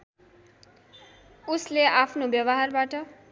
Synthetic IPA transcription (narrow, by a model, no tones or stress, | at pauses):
usleapʰnobjʌbʌɦarbaʈʌ